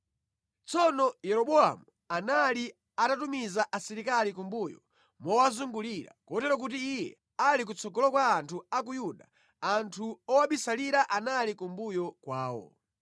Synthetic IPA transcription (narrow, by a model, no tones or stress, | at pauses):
t͡sɔnɔjɛɾɔɓɔa̰mu | anali | atatumizaʔasiɾikalikumbujɔ̰ | mɔwazuŋɡuliɾa̰kɔtɛɾɔk̬ut̬iːjɛ̰ | alik̬ut͡sʰɔɡɔlɔkwaːntʰuakujuɗa̰ | antʰuɔwaɓisaliɾaʔanalikumbujɔkwaːwɔ̰